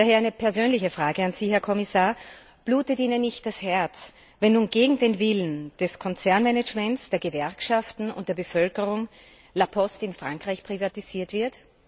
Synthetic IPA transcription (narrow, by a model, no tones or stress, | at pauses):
daːheːɐʔæɪnəpʰɛɐzøːnlɪçəfʁ̥aːɡəanz̥iːɦɛɐkʰɔmɪsaːɐ | b̥luːtətiːnənːɪçt̚d̥ashɛɐt͡s | vɛnːuːnɡeːɡŋ̩deːnvɪlən̩d̥ɛskʰɔnt͡sɛɐnmɛnɛd͡ʒmɛntsd̥eːɐɡəvɛɐkʃaftn̩ʊ̰ntd̥eɐbəfœlkəʁʊŋ | lapʰɔstɪnfʁ̥aŋkʁ̥aɪçpʁ̥ivatiziːɐtv̥ɪɐt